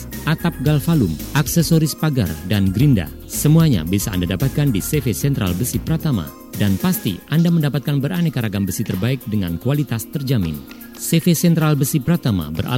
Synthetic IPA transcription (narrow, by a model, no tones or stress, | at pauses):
ʔat̪ap̚ɡalfalumaksɛsɔɾispaɡa̰rdanɡɾinda̰ | səmuaɲa̰biasaa̰ndadapat̪̚kandisefesɛnt̪ɾa̰lbəsipəɾat̪ama̰ | danpast̪ḭʔandaməndapat̪̚kanbəɾanɛkaɾaɡambəsit̪ərbaɪk̚dəŋa̰nkualit̪ast̪ərd͡ʒamɪ̰n | sɛfesɛnt̪ɾalbəsipəɾat̪ama̰bərʔa̰